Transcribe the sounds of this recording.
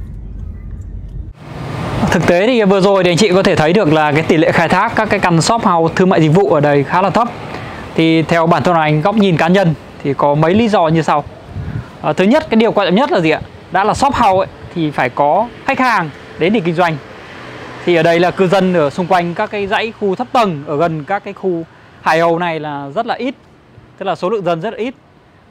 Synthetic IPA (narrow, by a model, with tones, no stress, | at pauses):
t̪ʰɨ˨˩k̚t̪e˨˦t̪ʰi˨˩vɨ˨˩əzo˨˩ji˨a˧jŋt͡ɕḭ˧˨kɔ˨˦t̪ʰe˧˩t̪ʰə˨˦jɗɨ˨˩ək̚laː˨˩kaː˨˦jt̪i˧˩lḛ˧˨xaː˧jt̪ʰaː˦˥kːaː˦˥kːaː˨˦jka˧nsɔ˦˥p̚ha˨˩wt̪ʰɨ˧ma̰ː˧˨jzï˨k̚vṵ˧˨ʔəː˧˩ɗə˧˩jxaː˨˦laː˨˩t̪ʰə˦˥p̚t̪ʰi˨˩t̪ʰɛ˧wɓaː˧˩nt̪ʰə˧n˨ʔa˧jŋ̟ɣa˦˥wk͡p̚ɲi˨˩nkaː˨˦ɲə˧n | t̪ʰi˨˩kɔ˨˦mə˨˦jlḭ˨˦zɔ˧ɲɨ˧sa˧w | ʔəː˨˩t̪ʰɨ˨˦ɲə˦˥t̚kaː˨˦jɗi˨˩əkaː˧t͡ɕɔ̰˧˨ŋ͡mɲə˦˥t̚laː˨˩zi˨˩ʔa̰ː˧ | ɗa̰ː˧˥laː˨˩sɔ˦˥p̚ha˨˩wʔə˨˦jt̪ʰi˨˩faː˧˩jkɔ˨˦xa˦˥k̟̚haː˨˩ŋ | ɗe˨˦ni˨˩kï˧ŋ̟zwa˧jŋ̟ | t̪ʰi˨˩ʔəː˧˩ɗə˧jlaː˨˩kɨ˧zə˧nʔəː˧˩sʊ˧ŋ͡mkwa˧jŋ̟kaː˦˥kːaː˨˦jza̰˧˥jxu˧t̪ʰə˦˥p̚t̪ə˧˩nʔəː˧˩ɣə˨˩nkaː˦˥kːaː˨˦jxu˧ | haː˨˩jhə˧wna˨˩jlaː˨˩zə˦˥t̚laː˨˩ʔi˦˥t̚ | t̪ɨ˦˥k̚laː˨˩so˨˦lɨ̰˧˨əŋzə˧nzə˦˥t̚laː˨ʔi˦˥t̚